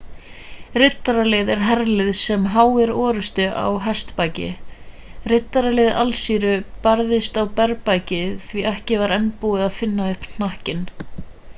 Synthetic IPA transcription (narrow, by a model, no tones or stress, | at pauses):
rɪt̪ːaɾalɪðɛɾ̥ɦɛɾlɪðsɛmɦaːwɪɾɔːɾʏst̪ʏa̰wɦɛst̪pajcɪ̰ | rɪt̪ːaɾalɪːða̰lsiːɾʏpaɾðɪst̪awpɛɾpajcɪθviɛhcɪvaɾɛnpuɪðaðfɪnːaʏhpnn̥ahcɪn